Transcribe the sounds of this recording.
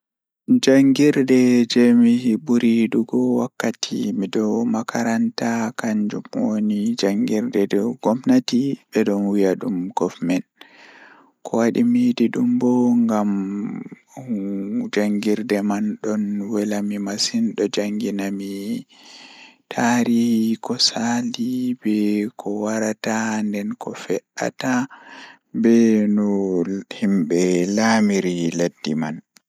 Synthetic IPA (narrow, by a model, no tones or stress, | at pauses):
d͡ʒaŋɡiɾdɛd͡ʒɛmihibuɾiɗuɡɔwakːatʰḭmidɔmakʰaɾantakaɲd͡ʒumwonid͡ʒaŋɡiɾdɛdɔɡ̥ɔmnatibɛɗɔnwijaɗumɡ̥ɔfmɛn | kʰɔwaɗimidiɗumbɔŋɡam | d͡ʒaŋɡiɾdɛmanɗɔnwɛlamimasinɗɔd͡ʒaŋɡinami | tʰaɾihkɔsalibɛkʰɔwaɾatandɛnkʰɔfɛʔa̰ta | bɛnɔhimɓɛlamiɾiledːiman